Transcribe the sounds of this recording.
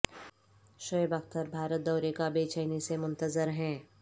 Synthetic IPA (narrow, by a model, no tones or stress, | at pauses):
ʃəɪbəkt̪əɾbʱaːɾət̪̚d̪ɔːɾekabeːt͡ʃʰəːnisemʊ̃nt̪əzəɾɦɛ̃ː